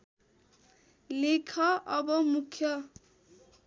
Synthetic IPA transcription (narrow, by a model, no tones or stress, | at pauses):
lekʰʌʔʌbʌmukʰjʌ